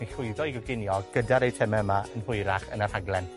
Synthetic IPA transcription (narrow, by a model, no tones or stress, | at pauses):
iɬʊɨðɔiɡɔɡɪnjɔɡ̥ədaɾejtʰɛmɛəmaənɦʊɨɾaχə̰narhaɡlˠɛn